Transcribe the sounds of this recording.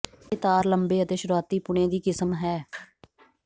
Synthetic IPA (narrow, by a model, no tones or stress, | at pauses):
kɪt̪aːɾləmbeːət̪eːʃʊɾuaːt̪iːpʊɳ̃ẽːd̪iːkɪsəmɦɛː